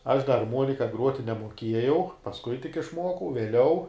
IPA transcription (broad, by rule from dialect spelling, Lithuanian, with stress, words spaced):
ɐʃ dɐ ɐrˈmuɔnʲɪkɐ ˈɡruɔtʲɪ nʲɛmuɔˈkʲiɛjɛʊ pɐsˈkʊɪ tʲɪk ɪʃˈmuɔkɐʊ ʋʲiɛˈlʲɛʊ